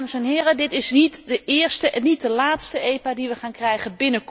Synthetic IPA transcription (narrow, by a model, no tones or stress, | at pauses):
məsɛnɦɪːrədɪtɪsnitdəʔɪːɹstəʔnitdəlaːtstəejpadiʋəχaːnkrɛjχənbɪnək